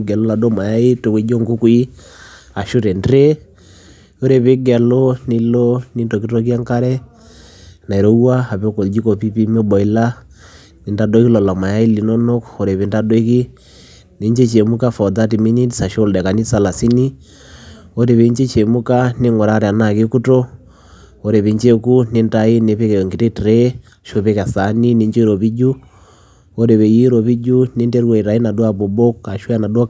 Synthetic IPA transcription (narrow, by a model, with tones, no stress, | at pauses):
ɡɛ˨lo˦la˨do˦ma˨ja˦i˦to˨ke˨˦d͡ʒo˦ŋɡu˦ku˦i˦ | a˨ʃo˦ɾɛ˨ndɾe˦ | o˦ɾe˨βe˦ɡɛ˨lo˦ni˦lo˦ni˦ndo˨ki˦to˦k̬i˦a˦ŋka˦ɾɛ˦ | na˨i˨ɾo˦wa˦a˨pe˦ko˨ld͡ʒi˦ko˨pi˦pi˦me˦bɔ˨i˦la˦ | ni˨nda˦do˦ki˦lɔ˨la˨ma˨ja˦i˦li˨no˦no˦ko˨ɾe˨βe˨nda˦dwe˦ki˦ | ne˨˦ɲd͡ʒe˦t͡ʃe˨mu˦ka˦fɔ˨da˦ti˨mi˦ni˦disa˨ʃo˦ldɛ˨ka˨ni˦sa˨la˨si˦ni˦ | o˦ɾe˨βe˨˦ɲd͡ʒe˦t͡ʃe˨mu˦ka˦ne˦ŋɡɔ˨ɾa˦ɾɛ˨a˨na˨ke˦ku˦tɔ˦ | o˨ɾe˨βe˨ɲd͡ʒe˦ku˦ne˦nda˦i˦ne˦βe˦kɛ˨jɔ˨ŋɡi˨ɾe˦tɾɛ˦˨ | ʃo˦βe˦ka˨sa˨˦ni˦ne˨˦ɲd͡ʒɔ˦ɾo˨βi˦d͡ʒu˦ | o˦ɾe˨βɛ˨ji˦ɾɔ˨βi˦d͡ʒu˦ne˦ndɛ˦ɾwɔ˨i˨ɾa˨i˦na˨dwa˦˨βo˨bo˦kːa˨ʃwa˦na˨dwa˦